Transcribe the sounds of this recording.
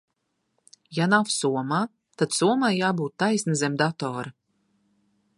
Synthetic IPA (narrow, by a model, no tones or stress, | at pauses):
janafsuɔmaː | t̪ad̪̥suɔmajjaːbuːt̪ːajsnazemd̪at̪ɔːɾa